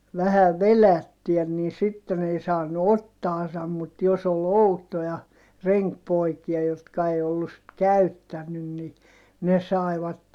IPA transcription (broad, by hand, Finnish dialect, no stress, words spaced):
ʋæhæ ʋelætːyæ niː sitːen ei sɑːnu otːɑːsɑm mut jos ol outojɑ reŋkpoikiɑ jotkɑ ei olːus sit kæytːænːyn ni ne sɑˑi̯ʋɑtːen